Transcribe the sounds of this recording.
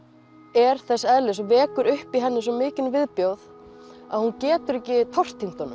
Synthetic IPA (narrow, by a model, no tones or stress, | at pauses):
ɛɾ̥θɛsːɛðlɪsɔvɛːkʏɾʏhpiɦɛnːɪs̬ɔmɪːcɪnvɪðpjowð | a̰ðhuncɛːt̪ʏɾɛhcɪt̪ʰɔr̥t̪ʰːim̥t̪ɔnʏm